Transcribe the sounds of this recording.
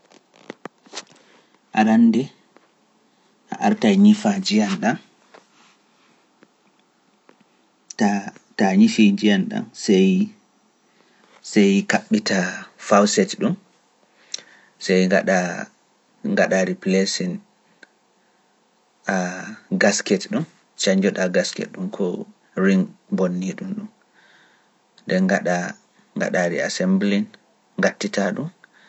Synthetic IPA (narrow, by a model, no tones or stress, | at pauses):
ʔaɾandɛ | ʔa̰ʔaɾtajɲifad͡ʒijanɗan | tataɲifid͡ʒijanɗa̰nsɛj | sɛjkaɓːitafawsɛtɗum | sɛjɡaɗa | ŋɡaɗaɾiplesin | aɡaskɛtɗum | t͡ʃaɲd͡ʒɔɗaɡaskɛ̰tɗumkʰɔ | ɹiŋbonːiɗumɗum | dɛŋɡaɗa | ŋɡa̰ɗaɾḭa̰sɛmblin | ŋɡatːitaɗum